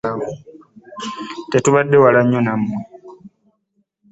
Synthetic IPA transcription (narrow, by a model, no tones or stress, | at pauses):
o | tetuβadːewalaɲːonamwe